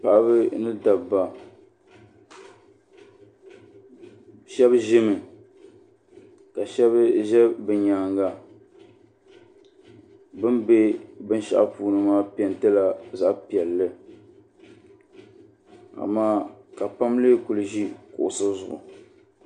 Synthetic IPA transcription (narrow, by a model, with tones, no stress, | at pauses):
pa˨ʔa˦bɨ˦nɨ˦da˨ba˨ | ʃɛ˦bʒɪ˦mɨ˨ | ka˨ʃɛ˦βɨ˦ʒɛ˦bɨ˨ɲa˨ŋɡa˨ | bɨ˦mbe˦bɨ˦n˦ʃa̰˦ʔa˦puː˨nɨ˨maː˦pi˨ɛ˨ntɨ˦la˨za˨ʔpi˨ɛ˨lːɨ˦ | a̰˨maː˦ka˨pa˦mleː˦ku˨lɨ˨ʒi˦kʊ˨ʔʊ˨sɨ˦zʊ̰˨ʔʊ̰˨